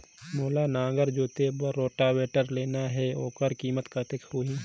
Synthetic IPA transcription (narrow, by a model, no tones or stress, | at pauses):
moːlanãːɡəɾd͡ʒoːt̪ebəɾːoːʈaweːʈəɾleːnaɦɛoːkəɾkiːmət̪kɐɾt̪ekʰɾuːɦĩ